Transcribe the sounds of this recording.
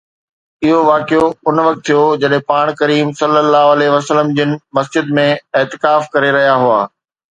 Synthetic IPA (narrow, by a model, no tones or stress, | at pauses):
ɪɦoʋaːkijoʊnʋɐk̚t̪ʰːijod͡ʑɐɗɦẽpaːɽ̃kɐɾiːmsɐlːəlːaːɦʊɐleʋɐsələmd͡ʑɪnɪ̆mɐsd͡ʑɪd̪mẽɪːt̪ɪkaːfkɐɾeɾɐɦijaɦʊa̰ː